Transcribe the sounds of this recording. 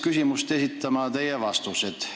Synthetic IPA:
kysimust̪e̞sit̪ˑːɑmɑt̪e̞jevɑst̪used̪̥

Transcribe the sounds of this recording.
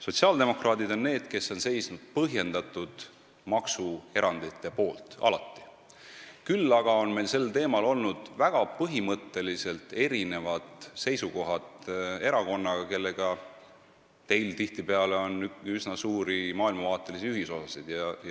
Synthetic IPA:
so̞t̪ʲsiɑːld̪e̞mo̞krɑːd̪̥id̪o̞nːe̞ːd̪̥ke̞sːo̞nse̞jsnud̪̥̚pɤɦje̞nd̪̥ɑt̪ːˑud̪̥ | mɑksue̞ɾɑnd̪̥it̪ːˑe̞po̞ːlt̪ɑ̰lɑ̰t̪ːi̥ | kylːɑɡ̥ɑo̞nme̞lse̞lːt̪e̞ːmɑlo̞lnud̪̥væɡ̥ɑpɤɦimɤt̪ːe̞lise̞lt̪e̞ɾine̞vɑd̪̥se̞jsuko̞ɦɑd̪e̞ɾɑko̞nːɑɡ̥ɑke̞lːe̞ɡ̥ɑ | t̪e̞jlt̪iht̪ipe̞ɑleo̞nysnɑsuːɾimɑːilmɑvɑːt̪ːˑe̞lisiyɦiso̞sɑsid̪̥jɑj

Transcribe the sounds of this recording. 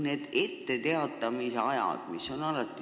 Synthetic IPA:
ne̞ːd̪̥e̞t̪ːe̞t̪e̞ɑt̪ːˑɑmiseɑjɑ̰d̪̥miso̞nɑlɑt̪ːˑi

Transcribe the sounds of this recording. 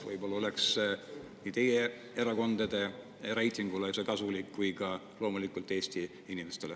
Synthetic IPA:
vɤ̰jbo̞lːɑo̞leks | niːt̪e̞je | eɾɑko̞nd̪̥ɑd̪̥e̞ | ɾejt̪ʲˑiŋɡ̥ulesekɑsulikːujkɑ | lo̞ːmulikˑult̪ːˑe̞ːst̪i | inimest̪ele

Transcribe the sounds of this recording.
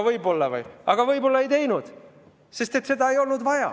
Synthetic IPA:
vɤjbo̞lːɑvɯ̰jɑɡ̥ɑvɤjbo̞lːɑe̞jt̪e̞jnud̪̥ | se̞st̪e̞t̪ːse̞d̪̥ɑe̞jo̞lnud̪vɑjɑ̰

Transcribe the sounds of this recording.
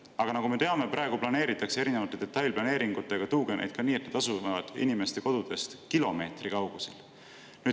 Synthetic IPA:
ɑɡ̥ɑnɑkɡume̞t̪e̞ɑme̞pɾɑe̞ɡ̥uplɑne̞ːɾit̪ːˑɑksee̞ɾinevɑt̪ːˑed̪̥e̞t̪ːˑɑjlʲplɑne̞ːɾiŋɡ̥ut̪ːˑe̞ɡ̥ɑt̪uːɡenʔḛjd̪̥kɑniːet̪ned̪ɑsuvɑvɑd̪̥ḭnime̞st̪e̞ko̞d̪̥ud̪̥e̞st̪kilo̞me̞ːt̪rikɑwɡ̥usel | nyː

